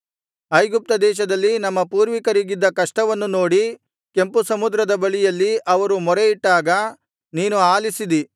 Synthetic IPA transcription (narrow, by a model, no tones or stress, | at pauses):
ɐjɡup̚t̪ɐd̪ɛːʃɐd̪ɐlːinɐmːɐpuːɾʋikɐɾiɡid̪ːɐkɐʂʈɐʋɐnːuno̞ːɽi | ke̞mpusɐmud̪ɾɐd̪ɐbɐɭijɐlːiʔɐʋɐɾumɔɾeiʈːaːɡɐ | niːnuaːlisid̪i